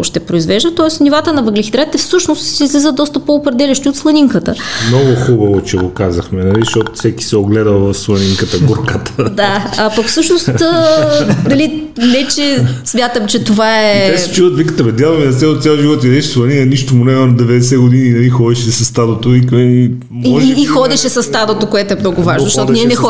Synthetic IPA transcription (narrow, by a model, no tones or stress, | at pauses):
ʃt̪ɛpɾoizvɛʒd̪ət̪ɔɛsnivat̪ənɐvɐɡlʲixid̪ɾat̪ːɛfsɤʃnost̪sizlʲizəd̪ɔst̪əpoːpɾɛd̪ɛlʲɐʃt̪iot̪slˠɐniŋkət̪əmnɔɡʊxubɐvot͡ʃɛɡokazɐxmɛnɐliʃt̪ɔt̪ʊfsɛki̥sɛoɡlɛd̪əlˠvɐfslˠɐniŋkət̪əɡuɾkət̪ə̥d̪aɐpɐkfsɤʃnost̪ː | d̪ɐli | vɛt͡ʃɛsmʲjat̪əmt͡ʃɛt̪ovaɛɛsɛ̥t͡ʃuət̪vikət̪əvɛd̪ʲjalˠominɐt̪sʲalˠot̪sʲalˠʒivɔt̪ʲid̪ɛʃslˠɐninəniʃt̪omunɛmɐnd̪ɛvɛd̪ɛsɛɡod̪ininɐlixɔd̪ɛʃɛsɐst̪ad̪ot̪oikɛni | mɔʒːxɔd̪ɛʃɛsɐst̪ad̪ot̪okoɛt̪oɛmnɔɡʊvaʒnzəʃt̪ɔt̪nʲiɛnɛxɔ